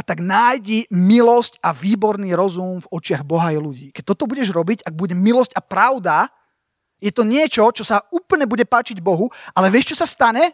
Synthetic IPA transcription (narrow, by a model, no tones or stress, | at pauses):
at̪aɡnaːjɟimilɔscaʋiːbɔɾniːɾɔzumvɔt͡ʃɪaɣbɔɦajluɟiːkɛc̚t̪ɔt̪ɔbuɟɛʒɾɔbicaɡ̚buɟɛmilɔscapɾaʊd̪a | jɛt̪ɔɲɪɛt͡ʃɔt͡ʃɔsauːpl̩ɲɛbuɟɛpaːt͡ʃiɟbɔɦuʔalɛʋɪɛʃt͡ʃɔsast̪aɲɛ